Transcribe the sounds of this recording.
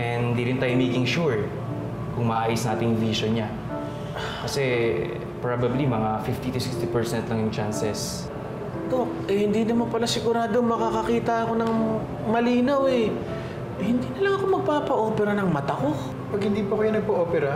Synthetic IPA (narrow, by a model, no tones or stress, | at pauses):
ɛnhɪnd̪iːɾɪnt̪aːjomejkɪŋʃuɹ | kʊŋmɐʔaːjʊsnʔaːt̪ɪŋjʊŋviʃonɲa | kɐsɛ | pɹabɐblimɐŋafɪft̪it̪ʊsɪkst̪ipɛɹsɛnt̪lɐŋjʊŋt͡ʃansɛs | d̪okʔɛhɪnd̪iːnɐmɐnpɐlasɪɡʊɾaːd̪omɐkakɐkiːt̪ɐɐko̞nɐŋ | mɐliːnawɛ | hɪnd̪iːnɐlɐŋɐko̞mɐɡ̚paːpɐʔo̞ːpɛɾɐnɐŋmɐt̪ako̞ | pɐɡhɪnd̪iːpɐkɐjonɐɡ̚pɐʔoːpɛɾɐ